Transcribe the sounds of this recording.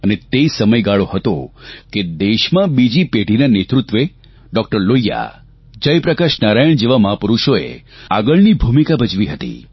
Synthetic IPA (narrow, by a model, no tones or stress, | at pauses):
ənet̪eisəməjɡaɭohət̪oked̪eʃmãbid͡ʒipeɽʱinanet̪ɾut̪ʋe | ɖɔk̚ʈəɾlojːa̰ | d͡ʒəjpɾəkaʃnaɾajəɳ̃d͡ʒeʋaməɦapuɾuʃoḛ | aɡəɭnibʱumikabəd͡ʒʋiɦət̪ḭ